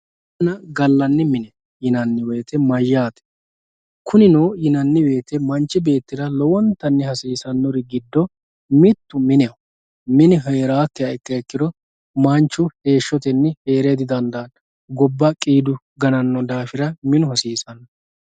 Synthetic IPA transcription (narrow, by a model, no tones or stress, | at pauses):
ɐnɐɡɐlːɐnːɪmɪnɛ | jɪnɐnːɪweːt̪ɛmɐjːaːt̪ɛ̥ | kʰʊnɪnoːjɪnɐnːɪwe̞ːt̪ɛmɐnt͡ʃːɪbe̞ːt̪ːɪd̪ɐlɔwɔnt̪ːɐnːɪhɐsiːsɐnːɔɾɪɡɪd̪ːɔ | mɪt̪ːʊmɪnɛɐ | mɪnɪɦɐjɛɾaːk̪ːɪɐɛkːɐɛkːɪd̪ɔ | mant͡ʃːʊhe̞ːʃːɔt̪ɛnːɛhe̞ːɾɛd̪ɪd̪ɐnd̪ɐːn | ɡɔbːɐkʼiːd̪ʊ | ɡɐnɐnːɔd̪aːfɪɾɐmɪnʊhɐsiːsɐnːɐ